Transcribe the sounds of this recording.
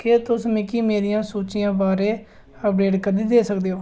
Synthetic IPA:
ket̪ʊsmẽːkiːmeːɾijãːsoːt͡ʃɪjãːbaːɾeː | əpɾeːʈkəd̪iːd̪eːsək̚d̪eːɦoː

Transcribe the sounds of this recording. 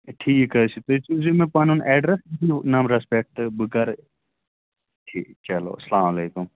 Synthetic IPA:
ʈʰiːkɐsʰit̪oːɪsizimẽpaːnuːnɛːɖɾesbinaːmɾɐspek̚ʈbɨkɐɾ | ʈʰiːt͡ʃɐlo̰ːɐslaːmɐleːkum

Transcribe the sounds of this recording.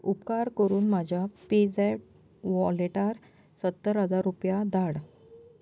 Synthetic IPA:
upkaɾkəɾuːnmad͡ʑʱjaped͡zɛʈ | ʋɔleʈaɾ | sət̪ːəɾɦəd͡zaɾːupjad̪aɽ

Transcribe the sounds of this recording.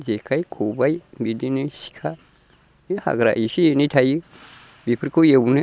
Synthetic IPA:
d͡ʒekaikʰobaimbidiniʃi̥kʰa | jiha̰ɡɾa̰iʃijnitaji | bipəɾkojebunə

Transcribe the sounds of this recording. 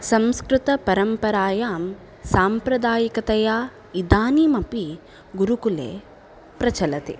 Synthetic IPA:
sɐmskɾɪt̪ɐpɐɾɐmpɐɾaːjaːm | saːmpɾɐd̪aːjɐkɐt̪ɐjaː | id̪aːnimɐpi | ɡuɾukulḛː | pɾɐt͡ʃɐlɐt̪ḭ

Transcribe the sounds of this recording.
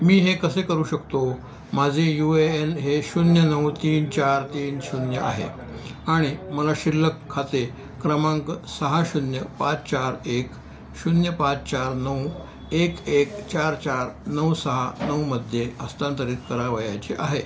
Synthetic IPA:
miːɦekəsekəɾuːɕəkt̪o | mad͡zʱejueenɦeɕunjənəwt̪iːnt͡ɕaɾt̪iːnɕunjəʔa̰ɦḛ | aɽ̃iməlaɕilːəkʰːat̪e | kɾəmãŋksəɦaɕunjəpat͡st͡ɕaɾek | ɕunjəpat͡st͡ɕaɾnəw | ekekt͡ɕaɾt͡ɕaɾnəwsəɦanəwməd̪ʱjeəst̪ant̪əɾiːt̪kəɾaʋəjat͡ɕeʔaɦe

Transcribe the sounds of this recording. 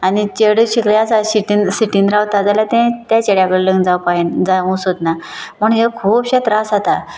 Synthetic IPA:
anit͡ɕeɽɕikɭjasaɕiʈinɕiʈinɾawt̪ad͡zaljat̪ɛ̃t̪jat͡ɕeɽjãkəɭeləŋɡd͡zawpaɦind͡zaũsot̪naməɳɦekʰuːpɕet̪ɾasat̪a

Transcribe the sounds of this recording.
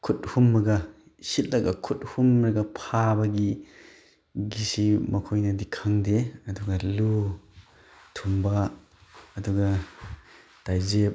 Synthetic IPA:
kʰut̚humːɐɡɐ | sit̚lɐkɐkʰut̚humɾɐɡɐpʰabɐɡi | ɡisimɐkʰojnɐdikʰaŋdeɐduɡɐlu | tʰumbaː | duɡɐ | tajzep̚

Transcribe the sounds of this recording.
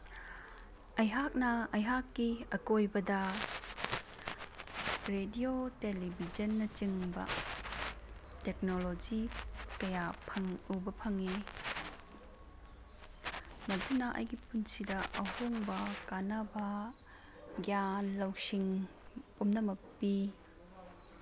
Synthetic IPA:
ɐjɦak̚nɐɐjɦakːiɐkojbɐdɐ | ɾediotelibʱid͡ʒɐnːɐt͡ʃiŋbɐ̰ | tek̚nolod͡ʒikɐjapʰɐŋubɐpʰɐŋe | mɐtunɐʔɐ̰jɡipunsidɐʔɐhoŋbɐkanabɐ | ɡjanlɐwsiŋpumnɐmɐk̚pi

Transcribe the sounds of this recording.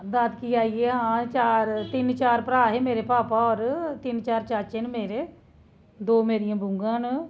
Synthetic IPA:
d̪ad̪kiːaːiːeːɦãːt͡ʃaːɾt̪ɪnt͡ʃaːɾpəɾaːɦeːmeːɾeːpaːpaːɔːɾt̪ɪnt͡ʃaːɾt͡ʃaːɾt͡ʃɪnmeːɾeː | d̪oːmeːɾijãːbʊ̃ŋɡãːn

